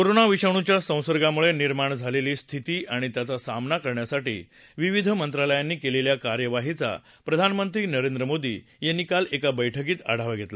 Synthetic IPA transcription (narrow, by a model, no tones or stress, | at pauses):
koɾonaʋiɕəɳ̃ut͡ɕjasə̃w̃səɾɡamuɭeniɾmaɳd͡zʱaleliːst̪ʰit̪iːʔaɽ̃it̪jat͡sasamnakəɾɳjasaʈḭː | ʋiʋid̪ʱəmənt̪ɾaləjanːiːkeleljakaɾjəʋaɦit͡sa̰ | pɾəd̪ʱanmənt̪ɾiːnəɾẽnd̪ɾəmod̪ḭː | jenːikalekabəjʈʰək̬iːt̪a̰ɽ̤aʋaɡʱet̪la